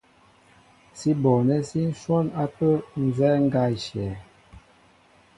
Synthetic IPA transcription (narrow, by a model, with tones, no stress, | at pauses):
si˦bɔ˨nɛ˦si˦n̩˦swɔ˦na˦pə˦n̩˨zɛ˦ŋ̩˦ɡa˦i˨ʃjɛ˨